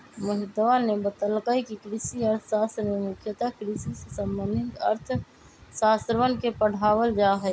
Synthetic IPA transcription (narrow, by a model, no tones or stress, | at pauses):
məɦɪt̪ʋanebət̪əlkaikikɾisiəɾt̪ʰsaːst̪ɾmemʊkʰjət̪akɾisisesəmːənːɪt̪ə̰ɾt̪ʰ | saːst̪ɾʋənkepəɽ̤aːwəld͡ʒaɦɛː